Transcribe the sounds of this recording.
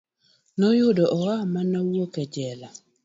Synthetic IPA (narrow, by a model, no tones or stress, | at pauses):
nɔjʊdɔʔɔwamanɔwokɛd͡ʒɛla